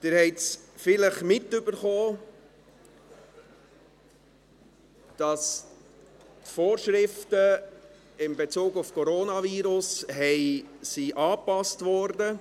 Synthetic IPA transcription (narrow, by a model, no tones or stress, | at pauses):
d̥ɪɾhɛɪtsfɪləχmɪtːʏbəɾχoː | d̥ɑs | tfoːɾʃɾɪftə | ɪmbet͡suːɡufkʰɔɾoːnɑviːɾʊsɦɛɪsiʔɑːpɑstvɔɾdə